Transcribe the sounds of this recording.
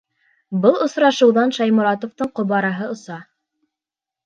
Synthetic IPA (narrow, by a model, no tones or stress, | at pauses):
bɤlˠŏsɾɑʃɤ̆wðɑnʃɑjmŏɾɑt̪ŏft̪ɤɴqŏβɑɾɑɦɤŏsɑ